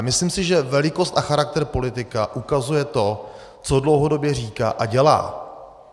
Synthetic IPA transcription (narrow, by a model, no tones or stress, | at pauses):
mɪslimsɪʒɛvɛlɪko̞st̪axaɾak̚t̪ɛɾpo̞lɪt̪ɪkaʔukazujɛt̪o̞ | t͡sodlo̞wɦo̞do̞bjɛr̝iːka̰ːʔaɟɛla̰ː